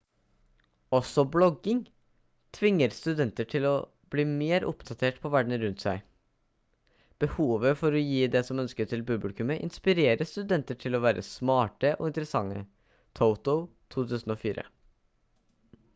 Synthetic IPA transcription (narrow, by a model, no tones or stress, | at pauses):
ɔsɔblɔɡɪŋ | t̪ʰʋɪŋːəɾst̪ʉd̪ɛnt̪əʈʰɪlɔ | b̥liːmeːɾʊ̰pd̪ɑt̪ʰeːʈpʰɔʋæɖɳ̩əɾʉnt̪sæɪ | b̥əhuːʋəfɔɾɔjiːd̪ɛsɔmœnskəʈʰɪlbʉblɪkʉməʔɪ̰nspɪɾeːɾəst̪ʉd̪ɛnt̪əʈʰɪlɔʋæːɾʔə̰smɑːʈəʔɔ̰ɪnt̪əɾəsɑŋːə̰ | t̪ʰoʊt̪ʊt̪ʰuːt̪ʰʉːsn̩oːfiːɾʔə̰